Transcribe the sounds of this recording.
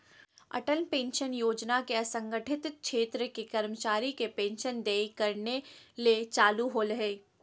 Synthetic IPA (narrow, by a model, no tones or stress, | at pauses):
ɐ̰ʈəlpẽːnʃənjoːd͡ʒnakeɐsə̃ŋɡəʈʰɪt̪ʃeːt̪ɾəkekɐɾmət͡ʃaːɾikepẽːnʃənd̪eːkɐɾnelet͡ʃaːluɦolɐɦeː